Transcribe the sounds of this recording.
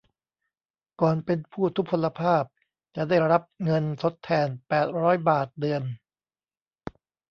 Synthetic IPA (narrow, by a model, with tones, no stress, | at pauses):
kɔː˨˩npe˧npʰuː˥˩t̪ʰu˦˥k̚pʰo˧lːa˧pʰaː˥˩p̚ | t͡ɕa˨˩daː˥˩jɾa˦˥p̚ŋɤ˧nt̪ʰo˦˥t̪ʰːɛː˧npɛː˨˩t̪̚ɾɔː˦˥jbaː˨˩t̪̚dɯ˧ən